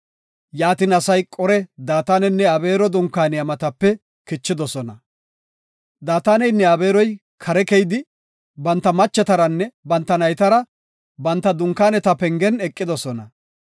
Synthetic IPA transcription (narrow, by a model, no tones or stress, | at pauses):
jaːt̪ɪnɐsɐjkʼɔɾɛd̪aːt̪aːnɛnːɛɐbe̞ːɾɔd̪ʊŋkːaːnɪɐmɐt̪ɐpːɛ | kɪt͡ʃːɪd̪ɔsɔnɐ | d̪aːt̪aːnɛjnːɛɐbe̞ːɾɔj | kʰɐɾɛkɛjd̪ɪ | bɐnt̪ːɐmɐt͡ʃːɛt̪ɐɾɐnːɛbɐnt̪ːɐnɐjt̪ɐɾɐ | bɐnt̪ːɐd̪ʊŋkːaːnɛt̪ɐpɛŋɡɛnɛkʼːɪd̪ɔsɔnɐ